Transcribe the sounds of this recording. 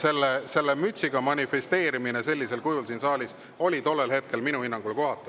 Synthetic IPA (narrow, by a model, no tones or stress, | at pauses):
se̞lːese̞lːemyt̪ʲsiɡ̥ɑmɑnʲifest̪e̞ːɾimine̞se̞lʲːise̞lkujulsinsɑːlʲis | o̞lʲit̪o̞lːe̞lɦe̞t̪̚ke̞lminuhinːɑŋɡ̥ulko̞ɦɑt̪ːˑu